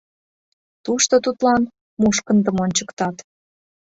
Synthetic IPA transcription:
t̪uʃt̪ot̪ut̪lɑn | muʃkə̆nd̪əmonʲt͡ɕəkt̪ɑt̪

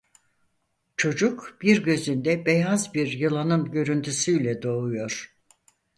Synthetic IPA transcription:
t͡ʃʰo̞d͡ʒukb̥iɾɟø̞zynd̪ɛbejazbiɾjɯlˠanɯnɟø̞ɾynt̪ʰysyjlʲɛd̪o̞ːujo̞ɾ̥

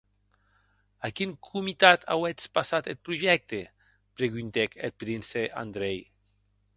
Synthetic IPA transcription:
akiŋkʰumit̪at̪ʰa̰wet͡spasat̪et̪̚pɾuʒɛk̚t̪e | pɾeɣynt̪ekel̚pɾinseʔa̰nd̪ɾej

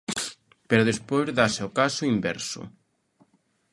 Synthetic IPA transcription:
peɾʊðespojzðaseokasʊimbɛ̰ɾsʊ̰

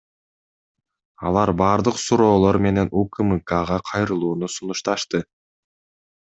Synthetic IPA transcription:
ɑlˠɑɾbɑːɾd̪ɯqsuɾo̞ːlˠo̞ɾme̞ne̞nukɨmɨkaʁɑqʰɑjɾɯlˠuːnusunuʃt̪ɑʃt̪ɯ

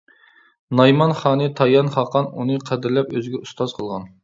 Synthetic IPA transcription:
nɑjmɑnχɑːnɨt̪ʰɑjɑnχɑqɑnunɨqʰæd̪ɪɾlɛpøzɡʲɛust̪ɑzqʰəlˠʁɑn

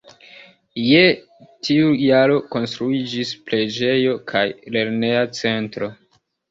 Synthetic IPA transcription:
je | tʰiujaɾo̞ko̞nstɾuid͡ʒisple̞d͡ʒe̞jo̞kʰajle̞ɾne̞at͡se̞ntɾo̞

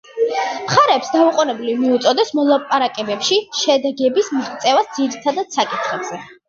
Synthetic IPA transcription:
mχaɾɛːpsd̪auqʼunɛblivmiut̪sʼɔd̪ɛsmɔlˠapʼaɾakʼɛbɛpʃiʃɛd̪ɛɡɛbismiʁt̪sʼɛvasd̪ziɾit̪ʰad̪ad̪̥sakʼit̪ʰχɛbz̥ɛ

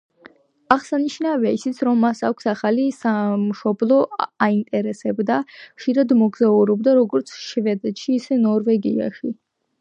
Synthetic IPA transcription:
aʁsaniʃnavɛaisit̪sʰɾɔmːasakʷʰsaχalisamʃɔblˠɔaint̪ʼɛɾɛsɛbd̪aχʃiɾad̪mɔɡzauɾɔbd̪aɾɔɡɔɾt̪sʰʃvɛd̪ɛt̪ʃiːsɛnɔɾvɛɡia̰ʃi

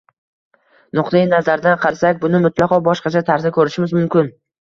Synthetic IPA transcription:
nʊqt̪ajɪnazaɾd̪anqʰɑɾsakʲbʊnɪmʊt̪ʰlɑqʰɒbɒʃqɑt͡ʃʰat̪ʰaɾzɪkʲʰɵɾɪʃɪmɪzmʊmkʲɪn

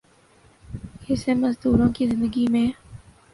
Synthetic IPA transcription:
hɪseməzd̪uːɾõːkizɪ̃nd̪əɡimẽː

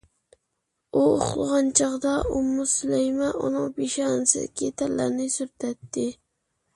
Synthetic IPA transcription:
uo̰χlˠʁɑnt͡ʃɑqd̪ɑʔʊmːʊsʊlajmaʔʊnoŋpɪʃɑnsɪ̰kʲɪt̪ʰalːa̰ɾnɪsʊɾt̪at̪ːɪ

